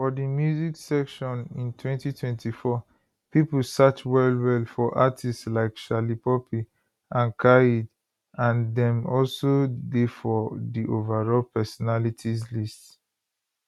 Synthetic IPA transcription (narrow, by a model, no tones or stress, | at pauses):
fɔdimjuziksɛkʃɔ̃nĩntʰwɛ̃ntitʰwɛ̃ntʰifɔ | pipl̩sat͡ʃwɛlwɛlfɔʔatʰistslaɪkʃalipɔpʰi | ãnkʰaid | ãndɛ̃mɔlsodefɔdiʔovaɹɔlpʰɛsɔnalitʰizlist